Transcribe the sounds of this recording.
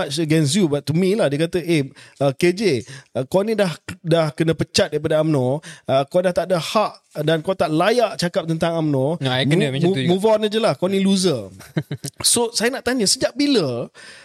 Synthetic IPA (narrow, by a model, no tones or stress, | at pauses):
səɡɛns̬jubat̪̚ːumĩlahdiəkat̪əʔeəked͡ʒekonĩdahdahkənə̃pət͡ʃat̪̚daɾip̬adaamnɔ̃əkɔdaht̪aʔdəhaʔdankot̪aʔlajaʔt͡ʃakap̚t̪ənt̪aŋamnɔ̃ | umũvɔnad͡ʒəlahkɔnĩluzə | sosajənaʔt̪aɲə̃səd͡ʒaʔbilə